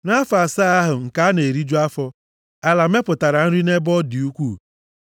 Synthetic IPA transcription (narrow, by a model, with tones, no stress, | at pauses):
na˦fa˨sa˦a˦ɦʊ˨ŋ̩˨ka˦a˦ne˨ɾi˦d͡ʒu˦a˦fɔ˦ | a˨la˨me˦pʊ˨ta˨ɾa˨n̩˦ɾi˦ne˦bɔ˦dɪ˨u˦kʷu˦˨